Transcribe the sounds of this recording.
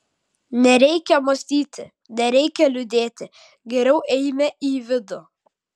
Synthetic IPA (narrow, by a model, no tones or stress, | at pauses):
nʲɛɾʲɛɪkʲɛmosʲt̪ʲiːt̪ʲɪ | nʲɛɾʲɛɪkʲɛlʲʊd̪ʲeːt̪ʲɪ | ɡʲɛɾʲɛʊʔɛɪmʲɛʔiːʋʲɪd̪o